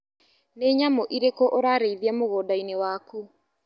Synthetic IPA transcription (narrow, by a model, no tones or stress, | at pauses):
neɲamoʔiɾekɔʔoɾaɾeiðiamoɣɔːdainewaku